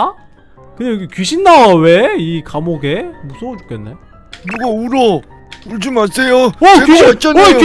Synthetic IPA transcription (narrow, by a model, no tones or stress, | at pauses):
kɯɲajoɡekɥiɕʰinːawe̞ikamoɡe̞musʰoŋot͡ɕu̥k͈enːe̞ | nuɡauɾo | puɭd͡ʑumaɭs͈ejoʌkɥiɕʰit͡ɕ͈aoe